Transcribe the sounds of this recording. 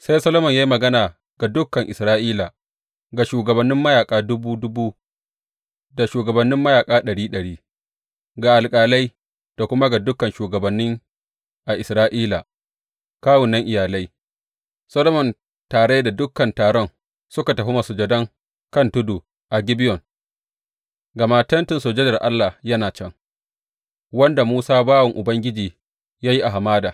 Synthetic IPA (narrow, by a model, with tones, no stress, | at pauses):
sa˦jsɐ˦lo˦mɐ˨ɲjaː˦i˦mɐ˨ɡɐ˦naː˨ | ɡ̥a˨dʊ˦kːɐ˨ŋʔɪ˨sɾaː˦ʔiː˦la˨ | ɡa˨ʃuː˨ɡɐ˨bɐ˨nːɪ˦mːɐ˦jaː˨kʼaː˦dʊ˦buː˦dʊ˦buː˦ | da˨ʃuː˨ɡɐ˨bɐ˨nːɪ˦mːɐ˦jaː˨kʼaː˦ɗɐ˨ɽiː˦ɗɐ˨ɽiː˦ | ɡa˨ʔa˨lkʼaː˨la˦j | d̥a˨kʷʊ˦ma˦ɡa˨dʊ˦kːɐ˨nʃuː˨ɡɐ˨bɐ˨nːɪ˦ŋ | ʔa˨ʔɪ˨sɾaː˦ʔiː˦la˨ | kaː˦wʊ˨nːɐ˦ŋʔɪ˨jaː˨la˦j | sɐ˦lo˦mɔ˨n | taː˨ɽe˦jda˨dʊ˦kːɐ˨ntaː˨ɽɔ˦ŋ | sʊ˦ka˨tɐ˨ɸi˦ma˨sʊ˨d͡ʒɐ˨dɐ˦ŋ | kɐ˦ntʊ˦duː˨ | ʔa˨ɡʲɪ˦bɪ˦jɔ˨ŋ | ɡa˨maː˦tɐ˦ntɪ˨nsoː˨d͡ʒɛ˦dɐ˨rʔa˦lːa˨hjɐ˦naː˨t͡ʃɛ˦ŋ | wɐ˦nda˨muː˦saː˦baː˦wɐ˨ŋʔʊ˨bɐ˦ŋɡʲɪ˦d͡ʒiː˨ | jaː˦ji˦ʔa˨ɦa˨maː˦daː˨